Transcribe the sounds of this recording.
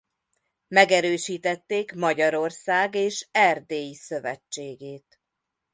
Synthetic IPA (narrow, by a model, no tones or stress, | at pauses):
mɛɡɛɾøːʃiːt̪ɛt̪ːeːkmɒɟɒɾo̞rsaːɡeːʃɛrd̪eːjisø̞vɛ̰t͡ʃːeːɡeːt̪